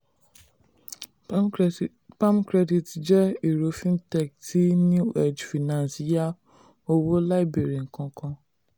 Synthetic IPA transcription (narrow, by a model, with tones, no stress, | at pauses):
pã˦mkɾɛ˦di˨td͡ʒɛ˦i˨ɾo˨˦fĩ˦ntɛ˨k̚ti˨˦nũ˦ɛ˦˨d͡ʒfi˨nã˨nsi˨˦ja˦ | o˧wo˦la˦i˦be˨ɾi˨ŋ̩˨kã˧kã˧